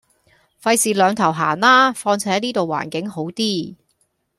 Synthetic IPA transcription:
fɐ˧jsiː˨lœː˨˧ŋt̪ʰɐ˨˩wɦa̰ː˨˩nlaː˥fɔː˧ŋt͡sʰɛː˥jniː˥t̪o˨wa̰ː˨˩nkɪ˨˥ŋho˨˥wt̪iː˥

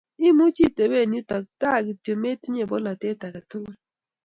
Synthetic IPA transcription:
i˦mu˦t͡ʃi˦˨te˨be˦˨ni˦tɔ˨k̚ta˦˨ɡi˨to˨me˦ti˦ɲe˦˨bo˦la˨te˦ta˨ka˨tu˦ku˦

